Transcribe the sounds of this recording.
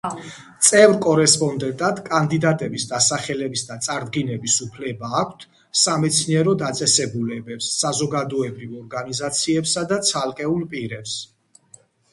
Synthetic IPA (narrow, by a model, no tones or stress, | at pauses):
t̪sʼɛvɾkʼɔɾɛspʼɔnd̪ɛnt̪ʼad̪kʼand̪id̪at̪ʼɛbisd̪asaχɛlɛbisd̪at̪sʼaɾd̪ɡinɛbisupʰlɛbaːkʷʰt̪ʰ | samɛt̪sʰniɛɾɔd̪at̪sʼɛsɛbulɛbɛpsːazɔɡad̪ɔɛbɾivɔɾɡanizat̪sʰiɛpsad̪at̪sʰalˠkʼɛulˠpʼiɾɛps